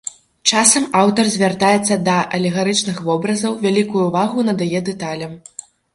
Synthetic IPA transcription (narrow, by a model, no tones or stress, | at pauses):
t͡ʂasɐmawt̪ɐrzʲvʲart̪ajɛt̪sːɐd̪ɐʔɐlʲɛɣaɾɨt͡ʂnɨxvɔbɾɐzɐwvʲalʲikujuːvaɣunɐd̪ajɛd̪ɛt̪alʲɐm